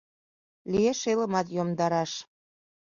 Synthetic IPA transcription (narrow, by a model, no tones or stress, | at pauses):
lieʃeləmɑt̪jomd̪ɑɾɑʃ